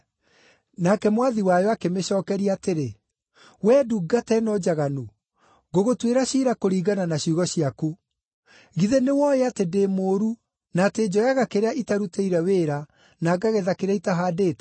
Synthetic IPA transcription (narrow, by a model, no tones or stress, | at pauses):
nakɛmwaðiwajɔakemeɕɔːkɛɾiaːteɾe | wɛːduɡatɛnɔd͡ʒaɣanu | ɣoɣotweɾaɕiɾakoɾiːɡananaɕuɣɔɕiaku | ɣiðenewɔjeatedemoːɾu | naːted͡ʑɔjaɣakeɾeaʔitaɾuteiɾɛweːɾa | naɡaɣeðakeɾaitaɦaːdeːt